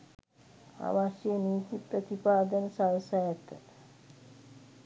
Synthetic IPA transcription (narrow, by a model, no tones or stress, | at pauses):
a̰ʋaʃjeniːt̪ipɾət̪ipaːd̪ənsawsajat̪ə